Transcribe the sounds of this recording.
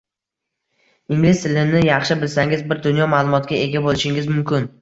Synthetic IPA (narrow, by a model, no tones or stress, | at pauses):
ɪŋlɪʃt̪ʰɪlɪnɪjɑχʃɪbɪlsaŋɪzbɪɾd̪ʊnjɒmaːlˠʊmɒt̪ɡʲae̞ɡʲabolˠɪʃɪŋɪzmʊmkʲɪn